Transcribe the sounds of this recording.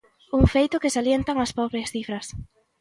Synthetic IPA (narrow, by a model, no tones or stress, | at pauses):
uŋfejt̪ʊkɪsaljent̪aŋɐspɔβɾiɐsθifɾɐs